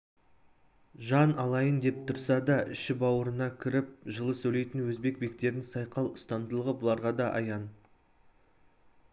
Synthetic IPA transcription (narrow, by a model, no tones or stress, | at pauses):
ʒɑnɑlˠɑjənd̪e̞p̚t̪ʰʊɾsɑd̪ɑʔɪ̰ʃɪbɑwəɾənɑkʲʰɪɾɪp̚ʒəlˠəsɵjle̞jt̪ɪnwɵzbe̞k̚be̞kt̪e̞ɾɪnsɑjqɑlˠʊst̪ɑnd̪əlˠəʁəbʊlˠɑɾʁɑd̪ɑʔɑ̰jɑn